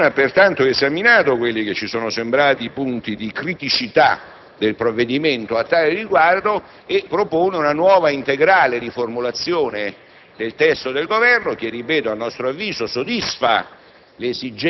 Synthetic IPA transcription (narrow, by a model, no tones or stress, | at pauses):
apːert̪ant̪oezaminaːt̪okwelːik̟et͡ʃːisoːnosembɾaːt̪ipunt̪id̪ikɾit̪it͡ʃit̪a | d̪elpɾovːed̪iment̪oat̪ːaːleriɡward̪o | epːɾopoːneunanwɔːvaint̪eɡɾaːled̪iformulat̪sːjoːne | d̪elt̪ɛst̪od̪elɡovɛrnok̟erːipɛːt̪oalnːɔst̪ɾoavːiːzosod̪isfa̰ | lezid͡ʒ